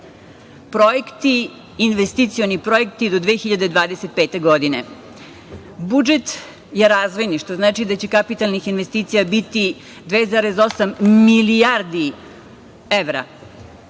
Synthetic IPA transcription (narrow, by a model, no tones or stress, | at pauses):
pɾo̞jekt̪iː | nʋest̪it̪sio̞nipɾo̞je̞kt̪id̪o̞d̪ʋeːxiʎad̪ed̪ʋaːd̪eset̪̚peːt̪e̞ɡo̞d̪ine̞ | bud͡ʒet̪ | jeɾazʋo̞jniʃt̪o̞znaːt͡ʃid̪at͡ɕekapit̪alnixinʋest̪iːt̪sijabit̪i | d̪ʋezaːɾe̞zo̞samːilijaɾd̪i | eʋɾa̰